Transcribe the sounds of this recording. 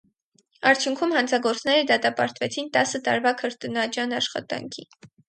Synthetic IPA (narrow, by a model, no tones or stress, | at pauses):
ɑɾt͡sʰjuŋkʰumhɑnt͡sʰɑɡɔɾt͡sʰnɛɾəd̪ɑt̪ɑpɑɾt̪vɛt͡sʰint̪ɑsət̪ɑ̰ɾvɑkʰəɾt̪unɑt͡ʃjɑnɑʃχɑ̰t̪ɑ̰ŋkʰi